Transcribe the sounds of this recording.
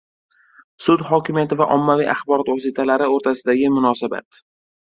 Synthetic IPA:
sʊd̪hɒkʲɪmijat̪ɪvaʔɒmːavijʔaχbɒɾɒt̪vɒsit̪ʰalaɾɪoɾt̪ʰasɪd̪aɡʲɪmʊnɒsaba̰t̪

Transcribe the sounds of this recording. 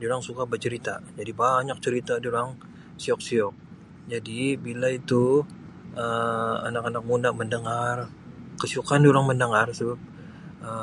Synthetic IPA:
dioɾaŋsukabət͡ʃəɾit̪ad͡ʒadibaɲak̚t͡ʃəɾit̪adioɾaŋ | siɔk̚siɔk̚ | d͡ʒadibilait̪u | ʔəa̰nakanak̚mundaʔməndəŋar | kəsiukandioɾaŋməndəŋarsəbap̚ | ə

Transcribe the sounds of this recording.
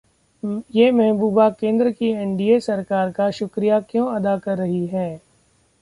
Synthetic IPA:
jeːmɛɦbuːbakẽːnd̪ɾəkiɛ̃ɳɖiesɐɾkaːɾkaʃʊkɾijakjõːɐd̪akɐɾːɐɦiɦɛː

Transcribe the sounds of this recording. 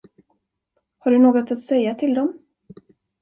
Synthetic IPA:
haɖɵnoːɡɔt̪at̪sɛjːat̪ʰɪld̪ɔm

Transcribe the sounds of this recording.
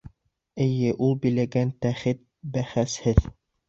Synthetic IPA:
ɘ̆jɘʔulˠbĭlæɡænt̪æχɘt̪̚bæχæshɘð

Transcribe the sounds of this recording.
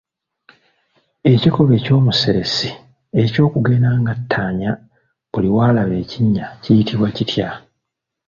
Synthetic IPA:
e̞ciko̞βe̞ːco̞ːmuseɾesi | e̞co̞ːkuɡe̞ːnaŋɡatʰːaːɲa | buliwaːlaβe̞ːciɲːacijitiβwacitja

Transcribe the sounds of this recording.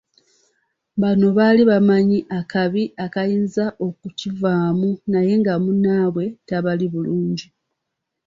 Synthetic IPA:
bano̞βaliβamaɲiʔakaβiʔakajiːnzaʔo̞kucivaːmunaje̞ŋɡamunaːβwe̞taβaliβuluːɲɟi

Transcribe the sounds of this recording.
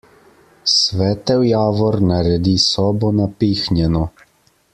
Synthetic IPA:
sʋɛːt̪ɛwjaːʋɔɾnaɾɛd̪isɔːbɔnapiːxnjɛnɔ

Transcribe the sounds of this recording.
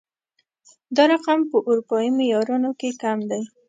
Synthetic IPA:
d̪ɑɾaqampəʔuɾupɑjimojɑɾunokekamd̪aj

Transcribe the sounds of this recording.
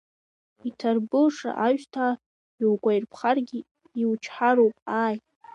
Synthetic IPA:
itʰarbɨʂa̰ʔaʒtʰa | ilɡʷʼajrpʰχarɡʲi | iwt͡ʃʰħaɾowpʼaːj

